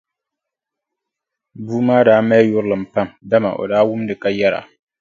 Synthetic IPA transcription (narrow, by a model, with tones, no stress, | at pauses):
buː˦maː˦daː˦mɛː˦jʊ˦ɾlɨ˨m̩˨pa˦˨mda˦ma̰˨ʔo̰˨daː˦wʊ˦mdɨ˨ka˦jɛ˦ɾa̰˨ʔ